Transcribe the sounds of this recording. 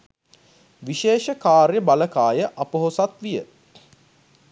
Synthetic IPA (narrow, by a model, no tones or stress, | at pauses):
ʋiʃeːʃəkaːɾjəbaləkaːjəʔapəɦosat̪ʋijə